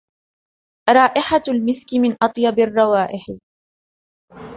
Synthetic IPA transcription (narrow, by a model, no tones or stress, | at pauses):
ɾˤɑːʔɪħalmɪskɪmɪnʔɑt̪ˤjɑbɪrˤːɑwaːʔɪħ